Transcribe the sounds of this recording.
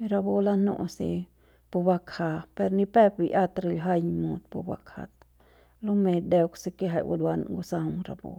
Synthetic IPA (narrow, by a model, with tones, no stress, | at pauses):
ɾa˧bo˦la˦no̰˧˨sḭ˧ | pu˧ba˧kha˧pe˧ɾni˧pe˦pbi˧ʔa˦t̪ɾi˧lɦa˦jmo˨˧d̪pu˧ba̰˧kʰa̰˨t̪ | lo˦me˧d̪e˧kse˧ke˦ɦa˨jwa̰˧d̪wa˧n̰˧ŋɡo˧sa˧wŋɾa˨bo̰˧